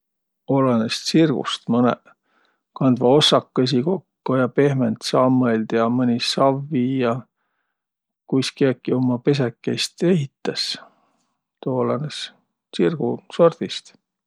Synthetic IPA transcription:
o̞lɑnest̪sirɡ̥ṵst̪mɤnḛ | kɑnd̪vɑo̞sːɑkːes̬iko̞kːojɑpe̞hment̪sɑːmːɤelʲd̪̥jɑmɤnʲissɑvːijɑ | kujskiɑkːiomːɑpe̞s̬ekːˑest̪eɦit̪ːˑɑs | t̪oːlɑnes | sirɡ̥uso̞rd̪̥ist̪

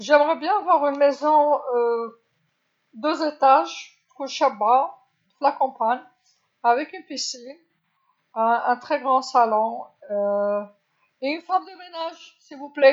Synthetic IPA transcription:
ʒɛmʁɛbjɛ̃avwaʁynmezɔ̃ø | d̪øzet̪aʒ | ʁũʃaba | flakɑ̃paɲ | avɛkynpisin | ɛ̃ɛ̃t̪χɛɡʁɑ̃salɔ̃ø | eynfɔʁmd̪əmenaʒsilvuplɛ

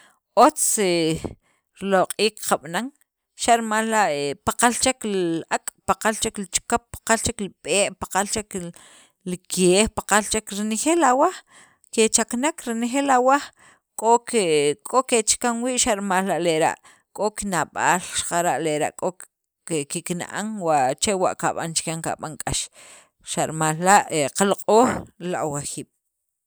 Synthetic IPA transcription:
ʔot͡se | ɾloqʼiːkqaɓnaŋ | ʃaʔɾimaːllaʔepaqalt͡ʃekllʔakʼpaqalt͡ʃeklit͡ʃkapːḁqalt͡ʃekliɓeːʔpḁqalt͡ʃek | likʰeːhpaqalt͡ʃekɾinexeːlawa | ket͡ʃaknakɾinexeːlawa | kʼokekʼoket͡ʃkaŋwiːʔʃaʔɾimallaʔleɾa̰ʔ | kʼokinaɓaːlʃḁqaɾaʔleɾa̰ʔkʼo | kikina̰ʔa̰ŋwaʔt͡ʃewa̰ʔkaɓa̰nt͡ʃkaŋka̰ɓaŋkʼaʃ | ʃaʔɾimaːlːaʔeqalqʼoːχlaʔwaxiːɓ̥

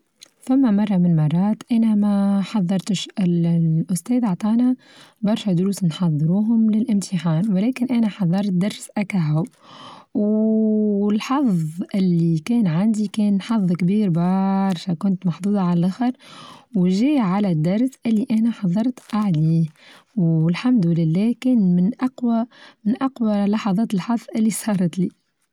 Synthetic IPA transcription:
fæmːæmɑrˤːɑmɪnmɑrˤːɑːt̪ʔænæmæħɑðˤːɑɾˤt̪ʃʔɪlʔʊst̪ɛːðʔɑʕt̪ˤɑːnæ | bɑɾˤʃæd̪ʊɾuːsnħɑðˤːɨɾuːɦʊmlɪlʔɪmt̪ʰɪħaːnwɪlɛːkɪnʔænæħɑðˤːɑɾˤt̪̚d̪ɑɾˤsʔækaɦʊb | w | ɪlħɑfðˤʔɪlːikɛːnʕand̪ikɛːnħɑfðˤːkbiːɾbɑɾˤʃakʊnt̪mɑħd̪ˤuːd̪ˤɑʕallʔaxɪɾwʒiːʕalæd̪ːɑɾˤsʔɪlːiʔænæħɑðˤːɑɾˤt̪ʔaʕliː | wɪlħamd̪lɪlːæːhkɛːnmɪnʔɑqwæmɪnʔɑqwalɑħɑðˤɑːt̪ɪlħɑðˤːʔɪlːisˤɑːɾˤɑt̪liː

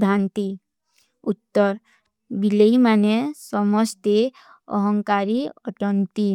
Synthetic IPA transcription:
d̪ʱant̪i | ut̪ːɔɾ | bileimanesɔmɔst̪e | ɔ̰ɦɔŋkaɾiɔ̰ʈɔnt̪i

